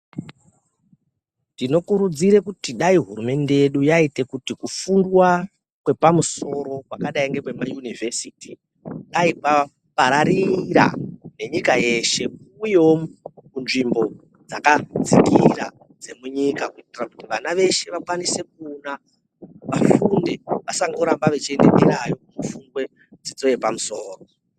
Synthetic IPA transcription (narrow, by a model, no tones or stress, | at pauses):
ndino̞kuɾud͡ziɾe̞kutiɗaiɦurume̞nde̞je̞ɗujaite̞kutikufundwa | kwe̞pamuso̞ɾo̞kwakaɗaiŋɡe̞kwe̞majunive̞siti | ɗaika | paɾaɾiɾa̰ne̞ɲikaje̞ʃe̞kuːjeokunʐimbo̞ | d͡zakad͡zikiɾa̰ | d͡ze̞muɲikakuitirakutiʋanaʋe̞ʃe̞ʋakwanise̞k̚una | ʋafundeʋasaŋɡo̞ɾambaʋet͡ʃiendemiɾajo̞mufundwe̞ | d͡zid͡zo̞jepamuso̞ːro